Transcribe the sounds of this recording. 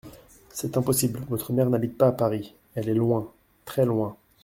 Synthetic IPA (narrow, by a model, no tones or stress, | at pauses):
sɛt̪ɛ̃pɔsiblvɔt̪χəmɛʁnabit̪̚paːpaʁi | ɛlɛlwɛ̃ | t̪χɛlwɛ̃